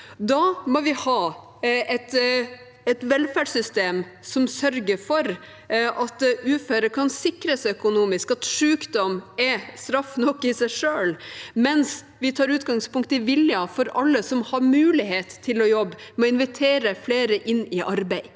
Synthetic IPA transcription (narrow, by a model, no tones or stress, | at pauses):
d̪ɑmoʋɪhɑː | ɛt̪ | ɛt̪ʋɛlfæːɖsʏst̪eːmsɔmsœɾɡəfɔɾ | ʔɑt̪ʉːfæɾəkʰɑnsɪkɾəsɪœkʊnuːmɪskɑt̪ʂʉːkd̪ɔmɛst̪ɾɑfːnɔkːɪsæɪʂøːlmɛns | ʋɪt̪ʰɑːɾʉːt̪ɡɑŋspʊŋkt̪əɪʋɪljɑfɔɾɑlːəsɔmhɑɾmʉːlɪheːt̪ʰːɪlɔjɔbːmɛɔɪnʋɪt̪ʰeːɾəfleːɾəʔɪnːɪʔɑɾbæɪ